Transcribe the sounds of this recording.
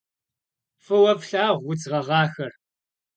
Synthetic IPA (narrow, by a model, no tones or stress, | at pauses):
fɨwɐpɬaːʁʷwʊt͡sʁɐʁɑːxɐr